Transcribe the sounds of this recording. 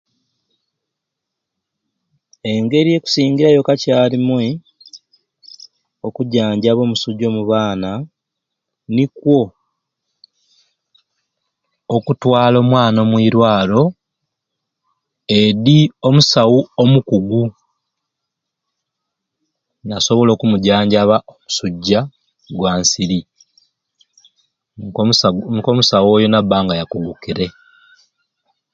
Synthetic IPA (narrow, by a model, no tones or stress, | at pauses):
e̞ŋɡe̞ɾije̞ku̥siːŋɡiɾajo̞kacaːlimwe | okuɟaːɲɟaβo̞musuɟo̞ːmuβaːna | nikwo̞ | kutwaːlo̞ːmwaːno̞ːmwiːɾwaːlo̞ | eðio̞musawuomukuɡu | naso̞βo̞lo̞ːkumuɟaːɲɟaβaʔomu̥suɟːa | ɡwaːnsiɾi | koːmusawo̞ːjo̞nabaːŋɡajakuɡukiɾe̞